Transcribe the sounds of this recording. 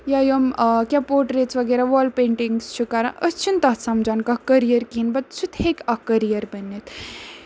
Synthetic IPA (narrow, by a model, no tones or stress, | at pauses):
jajomkʲapoːʈɾeːt͡sʰʋɐɡeːɾaʋɔːlpeːɳʈiŋɡst͡ʃʰukaɾã̰ʔəst͡ʃʰint̪aːsamd͡ʒaːnkɐkɐɾijɐɾkinbɐt̪̚t͡sʰut̪hekɐkɐɾijɐɾbɐnːit̪ʰ